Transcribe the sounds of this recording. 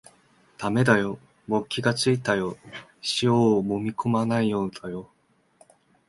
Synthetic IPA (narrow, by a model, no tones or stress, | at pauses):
t̪ame̞d̪ajo̞ | bo̞kʲːiɡat͡sɨit̪ajo̞ɕijomomʲikʰomanaijoːd̪̥ajo